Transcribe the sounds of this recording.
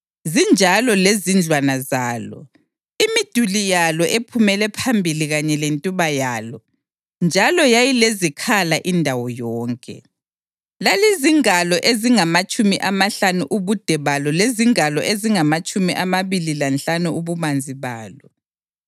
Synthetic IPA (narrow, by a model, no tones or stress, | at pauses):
zind͡ʒʱalɔlezind͡ɮʱwanazaːlɔ̰ | imid̥ʱulijalɔʔepʰumɛlɛpʰambʱiliɣaɲɛlentʼuβajaːlɔ | nd͡ʒʱalɔjajilezikʰalaʔindʱawɔjɔːŋkʼɛ̰ | laliziŋalɔʔeziŋamat͡ʃʼumiʔamaɬanuʔuβud̥ʱɛβalɔleziŋalɔʔeziŋamat͡ʃʼumiʔamaβililanɬanuuβumand͡zʱiβaːlɔ